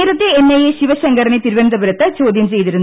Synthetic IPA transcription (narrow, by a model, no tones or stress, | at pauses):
ɾɐt̪ːeenːɐjeɕiʋɐɕɐŋɡɐɾɐɳit̪iɾuʋɐnd̪ɐbɐɾɐt̪ːɐt͡ɕoːd̪jɐmt͡ɕe̞jt̪iɾun